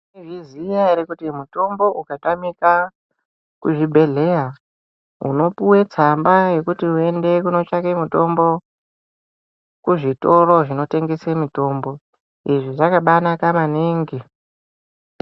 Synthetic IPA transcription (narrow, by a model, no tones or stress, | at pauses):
iʐizijaɾekutimuto̞mbo̞ʔukatamika | kuʐibʱe̞ɮe̞ja | ṵno̞puwe̞t͡sambaje̞kutiue̞nde̞kuno̞t͡ʃakemuto̞mbo̞ | kuʐito̞ɾo̞ʐino̞te̞ŋɡe̞semito̞ːmbo̞ | iʐiʐakaɓanakamaniːŋɡi